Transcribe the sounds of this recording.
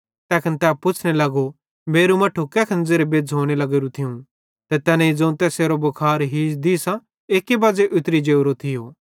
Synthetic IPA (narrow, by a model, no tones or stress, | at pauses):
t̪ɛːkʰənt̪ɛːpʊt͡ʃʰnelɐɡo | meːɾumɐʈʰːukɛːkʰənd͡zeːɾebeːd͡zɦoːɽ̃elɐɡeːɾut̪ʰɪũ | t̪ɐt̪ɛːnãid͡zɐ̃ũt̪ɛːseːɾobɐkʰaːɾɦiːd͡ʒd̪isã | eːkibɐːd͡zeʔʊt̪ɾid͡ʒeːʊɾot̪ʰɪjoː